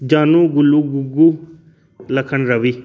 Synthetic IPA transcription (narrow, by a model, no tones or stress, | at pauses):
d͡ʒaːnũːɡʊluːɡʊɡuː | ləkʰənɾəʋiː